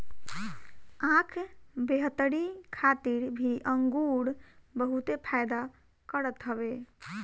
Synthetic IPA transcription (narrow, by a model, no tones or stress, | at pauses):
ãkʰbeɦət̪əɽikʰat̪iɾbʱiʔəŋɡuɽbəɦut̪epʰajd̪a | kəɾət̪ɦəbe